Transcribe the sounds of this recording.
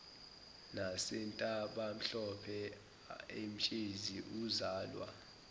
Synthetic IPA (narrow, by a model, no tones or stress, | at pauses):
nasɛntʼaɓam̩ɬɔpʰɛ | em̩t͡ʃʼeziʔuzaːlwa̰